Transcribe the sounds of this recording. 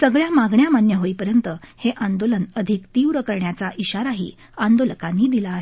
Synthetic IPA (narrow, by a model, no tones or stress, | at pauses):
səɡɭjamaɡɳjamanjəɦoipəɾjənt̪əheʔãnd̪olənəd̪ʱikt̪iwɾəkəɾɳjat͡saʔiɕaɾaɦḭː | and̪oləkãnːiːd̪ilaːɦe